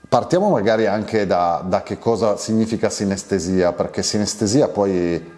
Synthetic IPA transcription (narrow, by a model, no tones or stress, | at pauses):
part̪jaːmomaɡaːɾiaŋkʰed̪ad̪ak̟ekːɔːzasiɲːiːfikasinest̪eziːaperk̟esinest̪eziːapɔj